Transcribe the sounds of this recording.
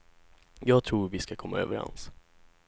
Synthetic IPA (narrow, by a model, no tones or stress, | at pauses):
jɑːɡ̚t̪ʰɾuːɾvɪskakʰɔmːaø̰ːvəɾɛ̰ns